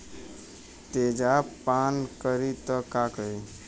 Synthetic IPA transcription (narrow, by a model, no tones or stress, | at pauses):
t̪eːd͡ʒapaːnkəɾit̪ɔkakəi